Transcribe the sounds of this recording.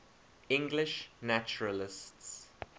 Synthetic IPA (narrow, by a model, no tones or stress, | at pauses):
ɪ̃ŋɡlɪʃnæt͡ʃʊɹəlɪsts